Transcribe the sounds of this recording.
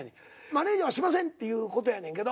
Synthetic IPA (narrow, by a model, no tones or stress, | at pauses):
ɲʲi | maneːd͡ʑiβaɕimas̬ẽnt̪ːe̞jɯːko̞t̪ojanẽŋked̪o